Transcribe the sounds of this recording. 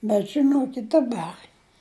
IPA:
bʲɛt ʒʲɪˈnoːkʲɪtʲ dɐˈbɐr

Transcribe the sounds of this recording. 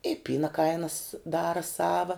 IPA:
ɪ ˈpʲiːnɐ ˈkɐɪnɐs ˈdɑːrɐ ˈsɑːʋɐ

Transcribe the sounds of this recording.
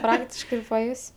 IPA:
ˈprɑːktʲɪʃkɐɪ ɪr pɐˈjʊsʲ

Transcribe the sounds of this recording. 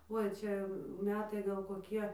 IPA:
ˈʊɪ ˈt͡ʃʲɛ ˈmʲæːtɐɪ ɡɐlˠ koːˈkʲiɛ

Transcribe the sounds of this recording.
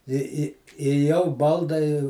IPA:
ɪ ɪ ɪ jɛʊ ˈbɐlˠdɐɪ

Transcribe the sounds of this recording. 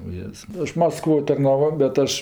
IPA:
ʊˈjeːs ˈɐʃ mɐsˈkʋoː tɐrnɐˈʋoː bʲɛt ˈɐʃ

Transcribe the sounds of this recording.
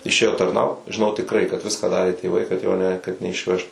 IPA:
ɪʃʲˈeːjoː tɐrˈnɐʊt ʒʲɪˈnɐʊ tʲɪkˈrɐɪ kɐt ˈʋʲɪskɑː ˈdɑːrʲeː tʲeːˈʋɐɪ kɐt joː nʲɛ kɐt nʲɛɪʃʲˈʋʲɛʃt

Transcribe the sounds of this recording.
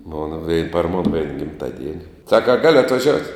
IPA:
moːn ʋʲɛɪ pɐr moːn ʋʲɛɪn ɡʲɪmˈtɑːˌdʲiɛnʲɪ ˈsɑːkɐ ɐ ˈɡɑːlʲoː ɐtʋɐˈʒʲoːʊtʲ

